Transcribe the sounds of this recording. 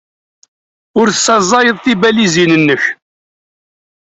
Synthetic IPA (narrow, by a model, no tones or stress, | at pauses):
ʊɾθəsːɑzˤɑjəðˤθibælizinənːəç